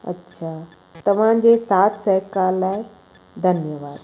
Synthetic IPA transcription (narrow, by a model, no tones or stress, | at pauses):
ɐ̰tːɕʰaː | t̪ɐʋ̤ãd͡ʑeːsaːt̪ʰsɛɦkaːlːaːe | d̪ʱɐnjəʋaːd̪